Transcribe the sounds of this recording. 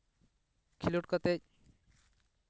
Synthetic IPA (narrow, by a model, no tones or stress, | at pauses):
kʰiluʈ̚kɔt̪ec̚